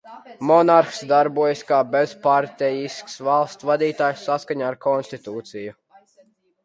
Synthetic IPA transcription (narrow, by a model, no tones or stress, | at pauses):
mɔnaɾxsd̪aɾbuɔjskaːbezpaɾt̪ɛjisksvalˠst̪svad̪iːt̪aːjsːaskaɲaːɾkʰɔnst̪it̪uːt̪siju